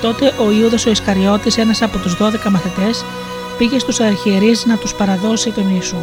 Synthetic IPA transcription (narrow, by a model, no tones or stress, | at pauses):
t̪o̞t̪e̞ʔo̞iuðɐso̞iskɐɾʝo̞t̪ise̞nɐsɐpo̞t̪uzðo̞ðe̞kɐmɐθit̪e̞s | piʝe̞st̪usɐɾçieɾizinɐt̪uspɐɾɐðo̞sit̪o̞nisu